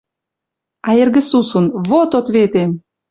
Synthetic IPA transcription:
ɑerɡə̆susunβot̪ot̪βet̪em

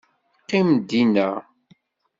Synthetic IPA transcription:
qːɪmd̪inə̰ʁ

